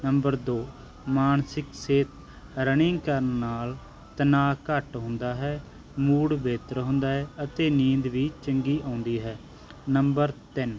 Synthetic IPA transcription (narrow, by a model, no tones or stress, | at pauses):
nəmbəɾd̪oː | maːnsɪkseːt̪ | ɾəɳ̃ɪ̃ŋkəɾnːaːl | t̪ənaːkəʈɦʊ̃nd̪aːɦɛː | muːɽbeːt̪əɾɦʊ̃nd̪aːɦɛːət̪eːnĩːnd̪ʋiːt͡ʃəŋɡiːʔãːnd̪iːɦɛː | nəmbəɾt̪ɪn